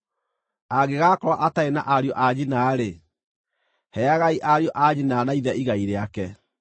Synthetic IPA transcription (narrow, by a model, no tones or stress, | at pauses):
aɣeɣakɔɾwaʔataenaʔaɾjɔʔad͡ʑinaːɾe | hɛaɣaiʔaɾjɔʔad͡ʑinaːnaiðɛʔiɣaiɾeakɛ